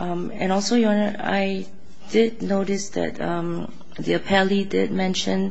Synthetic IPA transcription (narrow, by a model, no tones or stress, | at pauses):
ʔʌ̃m | ɛ̰̃nɔlˠsojɔ̃nəa̰ɪ | d̥ɪd̚noʊɾɪsd̪ɛ̰tʌ̃m | ðiəpʰɛlidɪ̰d̚mɛ̃nʃə̃n